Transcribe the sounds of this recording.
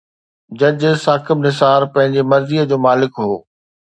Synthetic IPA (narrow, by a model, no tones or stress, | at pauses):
d͡ʑɐd͡ʑsaːkɪbnɪsaːɾpɐ̃ɦɪ̃ɲd͡ʑemɐɾziːəd͡ʑoːmaːlɪkɦo̰ː